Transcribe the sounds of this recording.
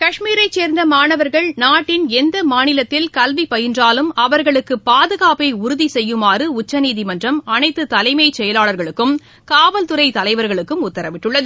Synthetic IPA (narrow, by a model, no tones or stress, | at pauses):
kɐʂmiːɾɐɪt͡ʃːeːɾnd̪ɐmaːnɐʋɐɾɣɐɭnaːʈːɪnɛnd̪ɐmaːnɪlɐt̪ːɪlkɐlʋipɐjɪndraːlɯmɐʋɐɾɣɐɭɯkːɯpːaːðɯɣaːpɐɪʊɾʊðisɛjːɯmaːrɯʊt͡ʃːɐniːðimɐndrɐmɐnɐɪt̪ːɯt̪ɐlɐɪmɐɪt͡ʃɛjɐlaːɭɐɾɣɐɭɯkːɯm | kaːʋɐlt̪ɯɾɐɪt̪ɐlɐɪʋɐɾɣɐɭɯkːɯmʊt̪ːɐɾɐʋɪʈːɯɭːɐðɯ